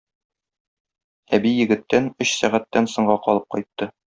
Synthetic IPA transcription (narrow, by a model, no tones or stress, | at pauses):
æbijɘ̆ɡɘ̆t̪ːænɵɕsæʁæt̪ːænsɤ̆ɴɢɑqɒlˠɤp̚qɒ̰jt̪ːɤ